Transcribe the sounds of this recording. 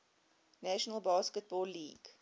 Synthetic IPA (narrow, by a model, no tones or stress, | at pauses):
næʃənəlˠbɑːskət̚bɔːlːiːɡ̥